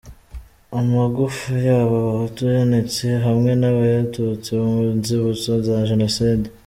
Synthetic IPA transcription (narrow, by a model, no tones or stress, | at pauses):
amaɡufujaːβoβahutujone̞t͡seɦamŋe̞naβajatut͡sinziβut͡sozaʒe̞no̞siːde